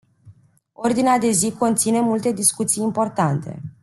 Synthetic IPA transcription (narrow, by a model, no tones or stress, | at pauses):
o̞rd̪inead̪e̞ziko̞nt̪sine̞mult̪e̞d̪iskut̪sijimpo̞rt̪ant̪e̞̰